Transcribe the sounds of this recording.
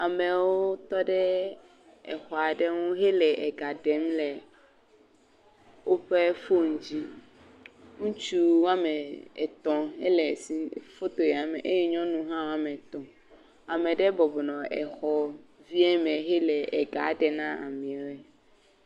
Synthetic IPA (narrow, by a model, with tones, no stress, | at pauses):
a˨mɛ˨wo˦t̪ɔ˦ɖɛ˦ | ɛ̰˨xɔ˨a˨ɖɛ˦ŋũ˦ɦe˦lɛ˨ʔɛ˨ɡa˨ɖɛ˨˦mlɛ˨ | wo˦ɸɛ˦fo˦ŋ̩˨d͡ʑi˦ | ŋũ˦t͡ʃu˦wã˦mɛ˨ɛ˨t̪ɔ̃˨ḛ˦lɛ˨si˦fo˦t̪o˨jɛ˨a˨mɛ̰̃˨ʔe˦jɛ˦ɲɔ̃˦nũ˦ɦã˦wã˦mɛ̃˨t̪ɔ̃˨ | a˨mɛ̃˨ɖɛ˦bɔ˨bɔ˨nɔ̃˨ɛ̰˨xɔ˦vi˦ɛ˦mɛ̃˨ɦɛ˦lɛ˨ɛ˨ɡa˨˦ɖɛ˨nã˦a̰˨mĩ˨ɛ˨˦wɛ˦